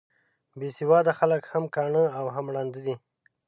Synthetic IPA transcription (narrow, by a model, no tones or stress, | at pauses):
besiwɑd̪axaləkhamkɑɳəawɦamɽɑnd̪əd̪i